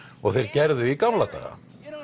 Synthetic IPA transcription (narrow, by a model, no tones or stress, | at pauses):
ɔɣθejɾcɛɾðʏikamlat̪a̰ːɣa̰